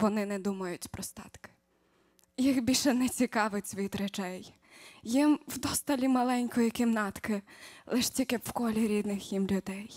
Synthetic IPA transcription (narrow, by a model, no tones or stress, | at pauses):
ʋɔnɪnɛd̪umɐjʊtʲpɾɔst̪ɑ̰t̪kɪ̥ | jixbʲilʲʃɛnɛt͡sʲikɑʋɪtʲsʲʋʲit̪ɾɛt͡ʃɛj | jimwd̪ɔst̪ɐlʲimɐlˠɛnʲkɔjikɪmnɑt̪kɪlˠɪʃtʲilʲkɪwkɔlʲiɾʲid̪nɪxjimlʲʊd̪ɛj